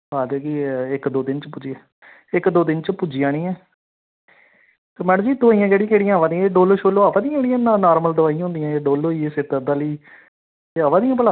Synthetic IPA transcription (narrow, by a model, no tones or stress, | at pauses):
ɦaːd͡ʒɛːkiɪkd̪oːd̪ɪnt͡ʃpʊd͡ʒiɛ̃ː | ɪkd̪oːd̪ɪnt͡ʃəpud͡ʒɪjãːnĩːɛː | t̪eːmɛːɽə̃d͡ʒiːd̪əʋaːiːãːd͡ʒeːɽijãeːɽijãːʋãːd̪ĩjãɖoːloːʃoːloːaːʋaːd̪ijãeːɽijãːnaːnaːɾməld̪əʋaːij̃ɦʊ̃nd̪ijãːeːɖoːloːiːesɪt̪əd̪aːliː | t̪eːaʋãːd̪ijãːp̬əlaː